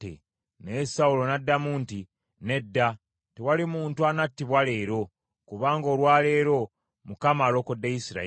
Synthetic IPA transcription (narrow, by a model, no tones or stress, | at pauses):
ḛ | ne̞saulo̞nadːamuːnti | ne̞dːa | tewalimuːntuanatːiβwale̞ːɾo̞ | kuβaːŋɡo̞ːlwaːle̞ːɾo̞ | mukamaːlo̞ːkodːejisiɾa̰